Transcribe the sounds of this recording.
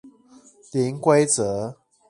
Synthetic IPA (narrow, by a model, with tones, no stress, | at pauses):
li˨˦ŋkwe˦ɪt͡sə˨˦